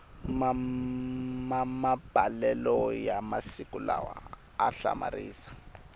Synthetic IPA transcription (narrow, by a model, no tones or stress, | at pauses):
ma | mamab̥ʱalɛlɔjamasikulawa | aɬa̰mariːsḁ